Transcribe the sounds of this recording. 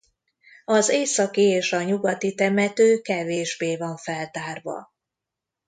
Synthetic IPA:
ɒzeːsɒkieːʃɒɲuɡɒt̪it̪ɛmɛt̪øːkɛveːʒbeːvɒɱfɛlt̪aːrvɒ̰

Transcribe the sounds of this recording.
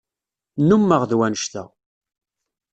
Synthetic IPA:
numːəʁðwænəʃt̪æ̰

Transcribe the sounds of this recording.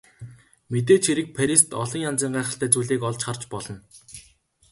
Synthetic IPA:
met̪̬eːt͡ɕʰxiɾɘ̆k̚pʰæɾʲist̪ɔɮɞ̆ŋjant͡siːɴɢæːχə̆ɬt̪æːt͡suːɮiːkɔɮt͡ɕχart͡ɕpɔɮɞ̆n

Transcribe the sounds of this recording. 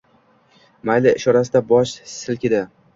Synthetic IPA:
majlɪɪʃɒɾasɪd̪abɒʃsɪlkʲɪd̪ɪ

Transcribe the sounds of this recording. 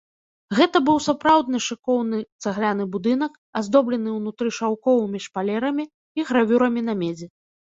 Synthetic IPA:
ɣɛt̪ɐbɨwsapɾawd̪nɨʂɨkɔwnɨt̪saɣlʲanɨbud̪ɨnɐk | azd̪ɔblʲɛnɨwnut̪ɾɨʂawkɔvɨmʲiʂpalʲɛɾɐmʲiː | ɣɾavʲuɾɐmʲinɐmʲɛd͡zʲɛ

